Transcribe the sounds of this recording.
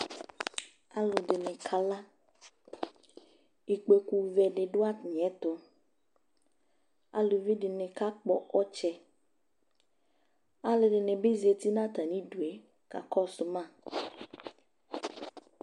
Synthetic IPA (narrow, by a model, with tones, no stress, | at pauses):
a˨lʊ˨ɖɪ˨nɪ˨kʰa˨la˦ | i˨k͡pe˨ku˨vɛ˨ɖɪ˨ɖʊ˦a˦˨n˨ɛ˦t̪ʊ˨ | a̰˨lʊ˨vi˦ɖɪ˨nɪ̃˨ka˦k͡pɔ̰˨ɔ˦t͡ʃɛ˨ | a˨lɪ˨ɖɪ˨ne˨be˦zi˨e˨t̪i˦nã˦t̪a˨nĩ˦ɖu˨e˨˦ | ka̰˨kɔ˦sʊ˨mã˦˨